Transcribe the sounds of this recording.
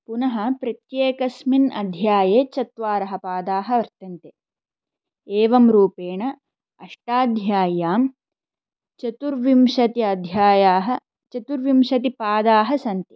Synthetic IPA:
punɐɦɐpɾɐt̪jeːkɐsminɐ̰d̪ʱjaːjeːt͡ʃɐt̪ʋaːɾɐɦɐpaːd̪aːɦɐ̆ʋɐɾt̪ɐnt̪e | eːʋɐmɾuːpeːɳɐ | ɐʂʈaːd̪ʱjaːjaːm | t͡ʃɐt̪uɾʋimʃɐt̪iɐd̪ʱjaːjaːɦɐ | t͡ʃɐt̪uɾʋimʃɐt̪ipaːd̪aːɦɐsɐnt̪i

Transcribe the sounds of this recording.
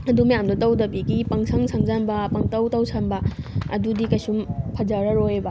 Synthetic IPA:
ɐdumɐjamdɐtɐwdɐpikipɐŋsʰɐŋsʰɐŋzanbɐpɐŋtɐwtɐwsʰɐmbɐɐ̰dudikɐjsumpʰɐd͡ʒɐɾɐɾojebɐ

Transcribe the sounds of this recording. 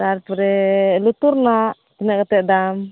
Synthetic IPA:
aɾpɾɛlut̪uɾnaʔ | t̪ɛnɛʔkat̪ɛʔd̪am

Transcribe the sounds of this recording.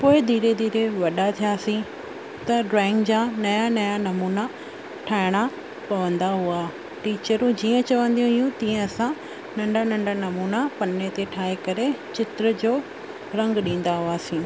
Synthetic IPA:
poːɪd̪ʱiːɾed̪ʱiːɾeʋɐɗat̪ʰijaːsĩ | t̪ɐɖɾɛ̃ːŋɡd͡ʑaːnɐjanɐjanɐmuːna | ʈʰaːɪɽ̃a | pɐʋə̃nd̪aɦua | ʈiːt͡ɕəɾũd͡ʑiːə̃t͡ɕɐʋə̃nd̪iũɦijũt̪ĩːə̃ɐsã | nɐ̃ɳɖʱanɐ̃ɳɖʱanɐmuːnapɐnːet̪eʈʰaːekɐɾet͡ɕɪt̪ɾəd͡ʑoː | ɾɐ̃ŋɡɗĩːn̆d̪aɦuaːsĩː

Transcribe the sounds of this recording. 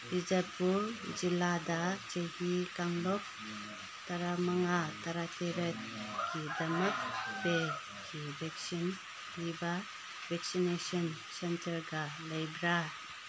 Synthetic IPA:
ɾid͡ʒat̚bud͡ʒilːadat͡ʃejhikaŋlɔk̚ | taɾamaŋataɾatʰeɾet̚ | kʰidamak̚be | kʰibʱɛksinː | iba | bɛk̚sinesɔn | sentəɾɡaləjbɾa

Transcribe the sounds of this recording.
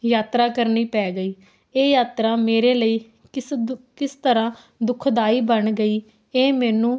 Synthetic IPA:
jaːt̪ɾaːkəɾniːpɛːɡəiː | eːjaːt̪ɾaːmeːɾeːləiː | kɪst̪əɾãː | d̪ʊkʰd̪aːiːbənɡəiː | eːmɛːnũː

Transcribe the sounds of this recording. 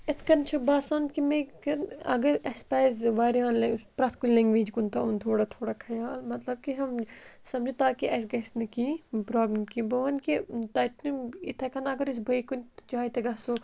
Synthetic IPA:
ɪt̪ʰkɐnt͡ʃʰubaːsaːnkimẽkɐnɐ̰ɡɐɾɐspɛːzʋaːɾãːnlpɾɐt̪ʰkulʲlɛ̃ŋɡʋeːd͡ʒkunt̪aunt̪ʰoːɽat̪ʰoːɽakʰɐjaːlmɐt̪lɐb̚kiɦɐmsɐmd͡ʒut̪aːkiʔɐs̬ɡɐsnɐkiːpɾaːbləmkibɐʋɐnkit̪ɐt̪nuɪt̪ʰɐkɐnɐɡɐɾɪs̬bʱɐikunt̪t͡ʃaːit̪eɡɐso

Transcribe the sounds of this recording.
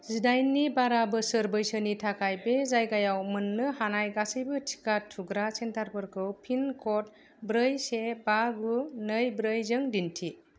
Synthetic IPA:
zidajnːibaɾabɯsɯɾbɯjsɯnitʰakʰajbezajɡajawmɯnːɯhanajɡasɯjbɯtʰi̥katʰuɡɾasentʰaɾpʰɯɾkʰɯwpʰinkʰɔt̚ | bɾɯjsebaɡunɯjbɾɯjzɯŋdintʰi

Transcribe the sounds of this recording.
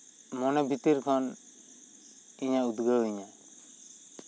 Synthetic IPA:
mɔnɛbʱit̪iɾkʰɔn | iɲaud̪ɡəwiɲa

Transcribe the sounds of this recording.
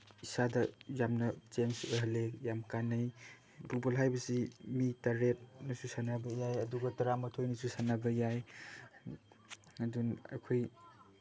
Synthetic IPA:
isadɐjamnɐt͡ʃenseɦɐlejamkanːaj | bubolɦajbɐsimitaɾet̚nɐsusanabɐjajɐduɡɐtɐɾamɐtʰojnɐsusanabɐjaj | adunɐ̰kʰoj

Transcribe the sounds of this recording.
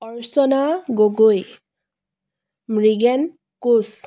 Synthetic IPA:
ɔɹsɔnaɡoɡoj | mɹiɡɛn | kus

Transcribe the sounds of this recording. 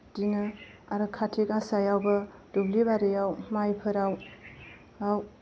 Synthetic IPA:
dinɯ | aɾɯkʰatʰekasajawbɐdublibaɾejawmajpʰɯɾaw | aw

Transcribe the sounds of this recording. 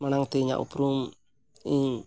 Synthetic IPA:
manaŋt̪eɲa̰ʔṵpɾum | i

